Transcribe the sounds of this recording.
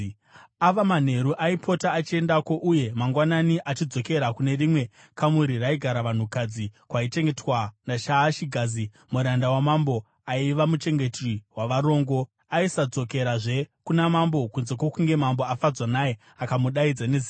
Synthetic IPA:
aʋaman̤e̞ɾuʔaipʰo̞taːt͡ʃie̞ndako̞ʔuje̞maŋɡwananiʔat͡ʃid͡zo̞ke̞ɾakune̞rimwe̞ | kamuɾiraiɡʱaɾaʋan̤ukad͡zikwait͡ʃe̞ŋɡe̞twanaʃaːʃiɡʱaːzi | muɾandawamambo̞ | aiʋamut͡ʃe̞ŋɡe̞triwaʋaɾo̞ːŋɡo̞ | aisad͡zo̞ke̞ɾaʐe̞kunamambo̞kunze̞kwo̞kuŋɡe̞mambo̞afad͡zwanaje | akamuɗaid͡zane̞zi

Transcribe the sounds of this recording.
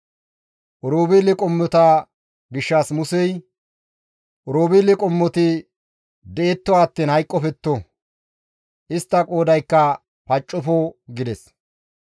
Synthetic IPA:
ʔɔɾoːbiːlɪkʼɔmːɔt̪a | ɡɪʃːaːsmʊsɛj | ʔɔɾoːbiːlɪkʼɔmːɔt̪ɪ | d̪ɛʔɛt̪ːɔaːt̪ːiːnhɐjkʼːɔfɛt̪ːo | ʔɪst̪ːɐkʼo̞ːd̪ɐjkːɐ | pɐt͡ʃʼːɔfoɡɪd̪ɛs

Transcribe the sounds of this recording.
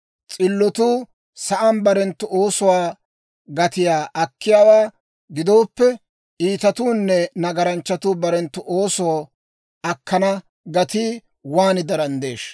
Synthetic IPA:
t͡sʼɪlːɔt̪uː | sɐʔɐmbɐɾɛnt̪ːʊʔoːsɔwaː | ɡɐt̪ɪjaːʔɐkːɪjaːwaː | ɡɪd̪o̞ːpːɛ | iːt̪ɐt̪uːnːɛnɐɡɐɾɐnt͡ʃːɐt̪uːbɐɾɛnt̪ːʊʔoːsɔw | ɐkːɐnɐ | ɡɐt̪iː | waːnɪd̪ɐɾɐnd̪e̞̰ːʃ

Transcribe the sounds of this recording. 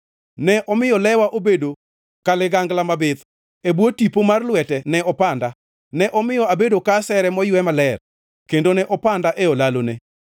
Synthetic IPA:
nɛʔɔmɪjɔlɛwaʔobedo | kalɪɡaŋɡlamabɪd̪ | ebwotipomarlwɛtɛnɛɔpanda | nɛʔɔmɪjɔabedokasɛɾɛmɔjwɛmalɛr | kendonɛʔɔpandaʔeolalone

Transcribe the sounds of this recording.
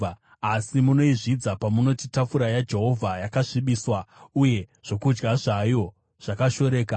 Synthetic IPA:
asimuno̞iʐid͡zapamuno̞titafuɾajad͡ʒe̞ɦo̞vʱajakaʂiɓiːswauje̞ʐ̥o̞kud͡ʒɡaʐajo̞ | ʐ̥akaʃo̞ɾe̞ːka

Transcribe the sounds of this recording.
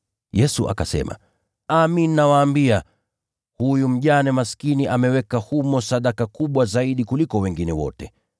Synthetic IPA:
jɛsuʔa̰kasɛ̰ma̰ | aminːawaːmbia | hujum̩ʄanɛmaskiniʔamɛwɛkahumɔsaɗakakuɓwazaiɗikulikɔwɛŋɡinɛwɔ̰tɛ

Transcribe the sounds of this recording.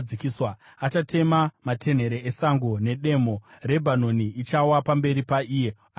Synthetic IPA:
ikiswa | at͡ʃatʰe̞mamatʰe̞n̤e̞ɾeesaŋɡo̞ne̞ɗe̞more̞bʱano̞niːt͡ʃawapambe̞ɾipaiːje | a

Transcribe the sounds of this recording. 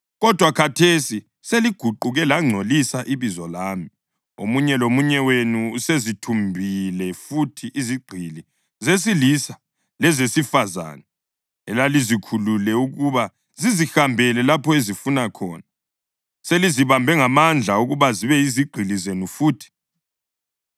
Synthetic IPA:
ɣɔd̥ʱwakʰatʰesi | seliɡ̥ʱuǃuɣɛlaŋ͡ǀʱolisaʔiβizɔlaːmi | o̰muɲɛlomuɲɛwenuusezitʰumbʱilɛfutʰiʔːziɡ͡ǃʱili | zes̬ilisa | lɛzesifaza̰ːnɛ | ɛ̰lalizikʰululɛuɣuβa | zizixambʱɛlɛlapʰɔezifunakʰɔːna | seliziβambʱɛŋamand͡ɮʱauɣuβaziβɛiziɡ͡ǃʱilizenufuːtʰi̥

